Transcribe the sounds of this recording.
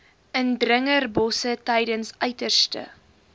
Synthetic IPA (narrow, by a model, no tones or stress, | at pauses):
əndrəŋərbɔsətɛjdənsœɥtərstə̰